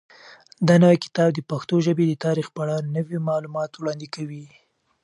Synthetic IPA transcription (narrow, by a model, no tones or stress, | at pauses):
d̪ɑnawajkɪ̥t̪ɑb̚d̪əpaxt̪oʒəbed̪ət̪ɑɾixpaɽɑnəwimɑlumɑt̪wɽɑnd̪ikawi